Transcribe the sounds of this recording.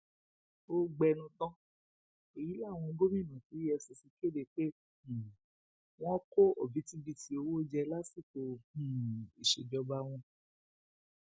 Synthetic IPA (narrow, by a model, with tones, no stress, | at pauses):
o˦ɡ͡bɛ˧nũ˧t̪ɔ̃˦ | o˨ji˨˦la˦˨w̃ɔ̃˧ɡo˦mĩ˦˨nũ˨fi˨˦ɛ˧so˧si˧˦ke˦˨de˧˨k͡pe˦˨ | w̃ɔ̃˦ko˦o˨bi˨˦ti˦bi˧ti˧o˧wo˦d͡ʒɛ˧la˦si˦˨ko˧ũ˦˨i˨ʃe˨d͡ʒɔ˧ba˧˦w̃ɔ̃˧